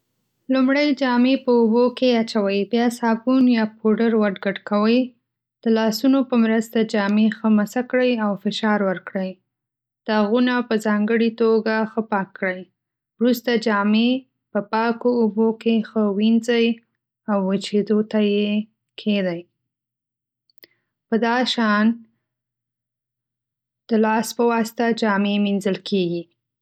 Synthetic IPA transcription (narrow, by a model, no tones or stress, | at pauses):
lumɽəjd͡ʒɑmepəubokeat͡ʃawəjbjɑsɑbunjɑpʰoɖəɾwaɖɡaʈkawəj | d̪̥əlɑsunopəmɾəst̪ad͡ʒɑmexəmasakɽəjawfɪʃɑɾwəɾkɽəj | d̪̥əaɣunapəzɑŋɡəɽit̪oɡaxəpɑkːɽəj | wɾust̪ad͡ʒɑme | pəpɑkoːbokexəwinzəj | awːət͡ʃed̪ot̪aje | kʰed̪aj | pəd̪ɑʃɑn | d̪̥əlɑspəwɑst̪ad͡ʒɑmeminzəlkʰeɡi